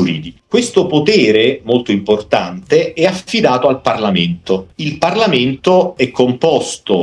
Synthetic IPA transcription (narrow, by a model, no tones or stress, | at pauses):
uɾḭːd̪ikwest̪opot̪ɛːɾemolt̪oimport̪ant̪eɛafːid̪aːt̪oalparlament̪oilparlament̪oɛkːompɔst̪o